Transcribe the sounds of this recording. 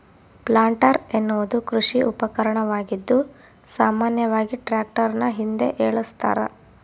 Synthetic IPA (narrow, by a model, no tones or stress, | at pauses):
plaːɳʈɐɾenːuʋɐd̪ukɾuʂiʔupɐkɐɾɐɳɐʋaːɡid̪ːu | saːmaːnjɐʋaːɡiʈɾaːk̚ʈɐɾnɐɦind̪e̞̰ʔeːɭust̪a̰ːɾɐ̰